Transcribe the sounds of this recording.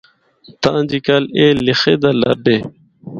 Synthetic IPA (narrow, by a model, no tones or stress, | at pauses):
t̪ãːnd͡ʑikalelixed̪alɐ̰ɾɖe